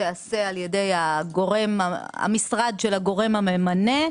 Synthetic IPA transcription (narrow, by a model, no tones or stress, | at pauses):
ease̞aljede̞jaɡo̞ʁe̞maa̰misʁad̪ʃelaɡo̞ʁe̞mhamemane̞